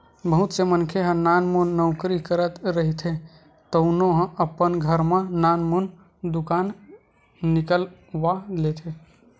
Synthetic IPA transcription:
bəɦut̪semənkʰeɦə̃nanmunːəʊkɾikəɾət̪ɾəɦit̪ʰe | t̪əʊnoɦə̃əpːənɡʱəɾmẽnanmun | d̪ukanː | ikəlʋalet̪ʰe

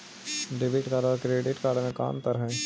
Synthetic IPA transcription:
ɖɪbɪʈkaːɽakɾeːɖɪʈkaːɽmẽka̰ːmt̪əɾɦɛ̃ː

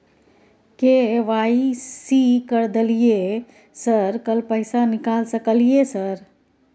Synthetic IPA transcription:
keʋaisikəɾd̪elije | səɾkəlpəɪsanikalsəkəlijesəɾ

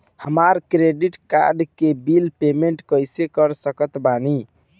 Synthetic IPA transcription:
həmaɾkɾeɖiʈka̰ɾɖkebilpemeɳʈkəjsekəɾsəkət̪bani

